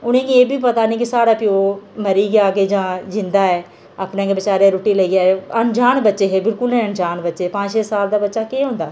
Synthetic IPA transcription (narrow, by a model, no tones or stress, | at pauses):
ʊnẽːɡieːbiːpət̪aːnẽːk̬ɪsaːɽaːpɪoːməɾiːɡaːɡeːd͡ʒãːd͡ʒɪ̃nd̪aːɛː | aːpnẽːɡebɪt͡ʃaːɾeːɾoːʈiːləiːɡaːeənd͡ʒaːnbətːʃeːɦeːbɪlkʊlnɛ̃ːənd͡ʒaːnbətːʃeːpãːt͡ʃʃeːsaːld̪aːbətːʃaːkeːɦõːnd̪aː